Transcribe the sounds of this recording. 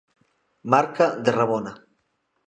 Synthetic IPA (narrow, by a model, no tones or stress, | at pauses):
maɾkad̪eraβona